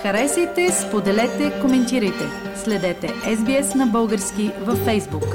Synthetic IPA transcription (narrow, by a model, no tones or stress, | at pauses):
xɐɾɛsit̪ɛspod̪ɛlɛt̪ɛkomɛnt̪iɾəjt̪ɛ | slɛd̪ɛt̪ɛʔɛzbiɛsnɐbɤlˠɡəɾskʲivɐfːɛjzbuk